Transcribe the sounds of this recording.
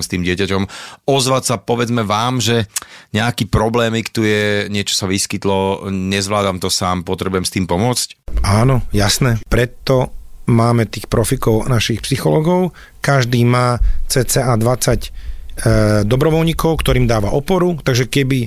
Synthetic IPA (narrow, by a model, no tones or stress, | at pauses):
mst̪iːmɟɪɛcacɔmɔzʋatsapɔʋɛd͡zmɛʋaːmʒɛɲɛakiːpɾɔblɛːmikt̪ujɛɲɪɛt͡ʃɔ̥saʋiskit̪lɔɲɛzʋlaːd̪amt̪ɔsaːmpɔt̪ɾɛbujɛmst̪iːmpɔmʊɔt͡scaːnɔjasnɛːpɾɛt̪ːɔmaːmɛt̪iːxpɾɔfikɔʊnaʃixpsixɔlɔːɡɔʊ | kaʒd̪iːmaːt͡sɛːt͡sɛʔaːd̪ʋat͡sacː | d̪ɔbɾɔʋɔlɲikɔʊkt̪ɔɾiːmd̪aːʋaʔɔpɔɾut̪aɡʒɛkɛbi